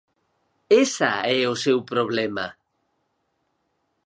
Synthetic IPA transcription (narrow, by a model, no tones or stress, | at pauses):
esa̰ɛʊsewpɾoβlɛma